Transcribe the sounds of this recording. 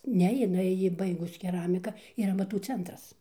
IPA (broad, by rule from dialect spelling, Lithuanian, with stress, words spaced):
ˈnʲɛ jɪˈnɐɪ ˈjɪ ˈbɐɪɡʊs kʲɛˈrɑːmʲɪkɐ ˈiːr ɐmɐˈtuː ˈt͡sʲɛntrɐs